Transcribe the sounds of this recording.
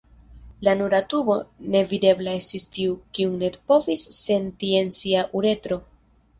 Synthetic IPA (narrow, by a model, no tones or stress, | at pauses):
lanuɾatubo̞ne̞vide̞blae̞stistiukiuŋne̞dpo̞visːe̞ntie̞nsiaʔuɾe̞tɾo̞